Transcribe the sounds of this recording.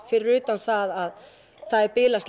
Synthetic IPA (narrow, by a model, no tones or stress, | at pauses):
fɪɾɪɾʏːt̪anθaðað | θaðɛɾpɪːlasl